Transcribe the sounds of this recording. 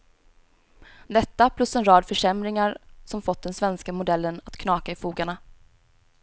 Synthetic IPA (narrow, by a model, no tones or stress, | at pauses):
d̪ɛt̪ːapʰlɵsɛnɾɑːd̪fœʂɛmɾɪŋaɾsɔmfɔt̪̚ːd̪ɛnsvɛnskamʊd̪ɛlːənat̪kʰnɑːkaɪfuːɡaɳa